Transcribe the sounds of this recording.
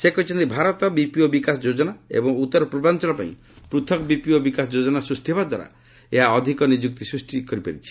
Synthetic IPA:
sekɔɦit͡ʃʰɔnt̪ibʱaɾɔt̪ɔbipiobikasɔd͡ʒod͡ʒɔnaḛbɔŋut̪ːɔɾɔpɾɔbant͡ʃɔlɔpa̰ḭ̃ | pɾut̪ʰɔkɔbipiobikasɔd͡ʒod͡ʒɔnasɾusʈiβad̪waɾa̰ | eɦaɔd̪ʱikɔnid͡ʒuk̚t̪isɾusʈikɔɾipaɾit͡ʃʰi̥

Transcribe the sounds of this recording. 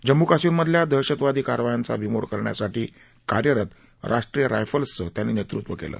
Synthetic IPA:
d͡ʑəmːukasiːɾməd̪ʱljad̪ʱəɕət̪ʋad̪ʱiːkaɾʋajant͡sa̰bʱimoɽkəɾɳja̰saʈiː | kaɾjəɾət̪ | ɾʔaʂʈɾijəɾa̰jfəlsət̪janːinjet̪ɾut̪ʋəkḛlə̰ː

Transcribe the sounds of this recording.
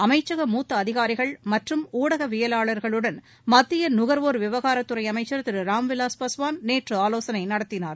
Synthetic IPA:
ɐmɐɪt͡ʃːɐɣɐmuːt̪ːɐːðɪɣaːɾɪɣɐɭmɐʈrɯmuːɽɐɣɐʋɪjɐlaːɭɐɾɣɐɭɯɽɐn | mɐt̪ːɪjɐnʊɣɐɾʋoːɾʋɪʋɐɣaːɾɐt̪ːɯɾɐɪɐmɐɪt͡ʃːɐɾɐt̪ːɪɾɯɾaːmʋɪlaːspɐsʋaːnneːʈrɯaːloːsɐnɐɪnɐɽɐt̪ːɪnaːɾ

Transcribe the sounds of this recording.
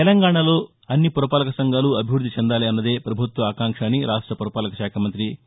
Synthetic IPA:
t̪ɛlɐŋɡaːɳɐlo̞ː | ɐnːipuɾɐpaːlɐkɐsɐŋɡaːluɐbʱiʋɾud̪ːit͡ʃɛnd̪aːliɐnːɐd̪e̞ːpɾɐbʱut̪ʋɐaːkaːŋkʂaːniɾʔaːʂʈɾɐpuɾɐpaːlɐkɐʃaːkʰɐmɐnt̪ɾi

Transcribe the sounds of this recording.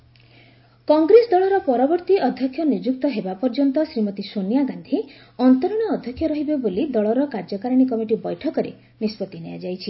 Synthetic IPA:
kɔŋɡɾesɔd̪ɔɭɔɾɔpɔɾɔbɔɾt̪iʔɔd̪ʱjɔkʰːjɔnud͡ʒuk̚t̪ɔɦebapɔɾd͡ʒɔnt̪ɔsɾimɔt̪isonijaɡand̪ʱi | ɔnt̪ɔɾɔɽ̃ɔːd̪ʱjɔkʰːjɔɾɔɦibebolid̪ɔɭɔɾɔkaɾd͡ʒɔkaɾɔɽ̃ikɔmiʈibɔjʈʰɔkɔɾḛ | nispɔt̪inḛja̰d͡ʒajt͡ʃʰi

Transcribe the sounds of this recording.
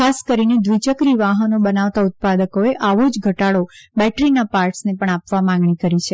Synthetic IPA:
kʰaskəɾined̪ʋit͡ʃəkɾiʋaɦənobənaʋt̪aʊt̪̚pad̪əkoeʔaʋod͡ʒɡʱəʈaɭobɛʈɾinapaɾʈsnepəɳapʋamãŋɡɳikəɾit͡ʃʰe

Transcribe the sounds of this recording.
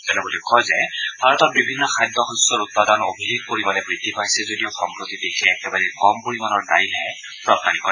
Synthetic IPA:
zɛnɛbolɛkʰɔjzɛbʱaɹɔtɔt̚bibʱinːɔkʰajdʱːɔɦɔsɔɹut̚padanobʱileɡ̚poɹimanɛbɹid̪ːipajsɛzodijɔxɔŋkɹot̪idekʰɛːkɛbaɹɛkɔmpoɹimanɔɹda̰jlɦɛ | pɹɔp̚nanikɔ

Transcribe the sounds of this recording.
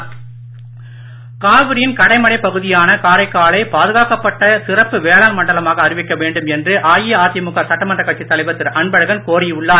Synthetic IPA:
kaːʋɯɾɪjɪnkɐɽɐɪmɐɽɐɪpɐɣɯðɪjaːnɐkaːɾɐɪkːaːɭɐɪpaːðɯɣaːkɐpːɐʈːɐsɪrɐpːɯʋeːlaːnmɐɳɖɐlɐmaːɣɐːrɪʋɪkːɐʋeːɳɖɯmɛndrɯʔaːjiaːt̪ɪjɐmʊɣaːɾsɐʈːɐmɐndrɐkːɐʈ̚t͡ʃːit̪ːɐlɐɪʋɐt̪ːɪɾʔɐɳbɐɻɐɣɐnkoːɾɪʊɭːaː

